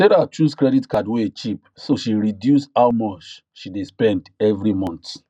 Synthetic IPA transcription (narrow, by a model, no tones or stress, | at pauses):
sɛɾat͡ʃuskɹɛditkadweet͡ʃip | soʃiɹidjushawmɔt͡ʃ | ʃidespɛ̃ndɛvɹimɔ̃nt